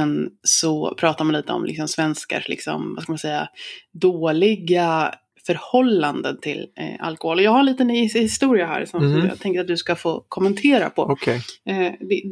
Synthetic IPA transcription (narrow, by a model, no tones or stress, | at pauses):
ɛnsɔpʰɾɑːt̪aɾmanliːt̪əɔ̰mlʔɪ̰ksɔmsvɛnska̰ʂlɪ̰ksɔ̰mvaskalmansɛjːad̪oːlɪɡa | fœɾhɔlːand̪ənt̪ʰɪla̰lkɔhoːlɔjɑːɡhaɛnliːt̪ənhɪst̪uːɾɪaɦæ̰ːɾsɔm̰ːt̪ʰɛŋkəɾat̪̚d̪ɵskafoːkʰɔmːənt̪ʰeːɾa̰pʰɔ̰kʰɛd̪ɛ